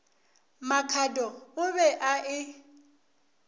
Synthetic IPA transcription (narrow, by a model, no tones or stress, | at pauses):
makʰadɔʊbɛʔaʔɪ